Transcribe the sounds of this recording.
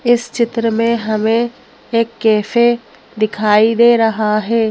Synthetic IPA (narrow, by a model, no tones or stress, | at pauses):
ɪst͡ʃɪt̪ɾəmẽɦɐmẽ | eːkːɛːfe | d̪ɪkʰaːid̪eːɾɐɦaɦɛː